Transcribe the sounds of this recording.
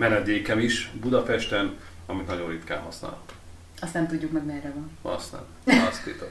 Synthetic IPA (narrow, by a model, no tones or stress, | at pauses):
mɛnɛd̪eːkɛmiʃbud̪ɒpɛʃt̪ɛn | ɒmit̪nɒɟo̞nrit̪ka̰ːlɦɒsna̰ːl | ɒst̪ɛmt̪uɟːukmɛɡmɛrːɛvɒnɒ̰st̪a̰nɒst̪eːt̪ɛ